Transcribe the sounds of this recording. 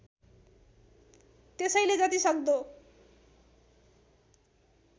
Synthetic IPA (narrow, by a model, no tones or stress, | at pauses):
t̪esʌjled͡zʌt̪isʌk̚d̪o